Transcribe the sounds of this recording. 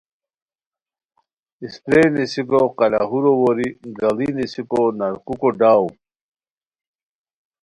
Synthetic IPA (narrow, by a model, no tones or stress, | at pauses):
ist̪ɾenisikoqɐla̰ɦuɾowoɾiɡɐlinisikonɐɾkukoɖaːw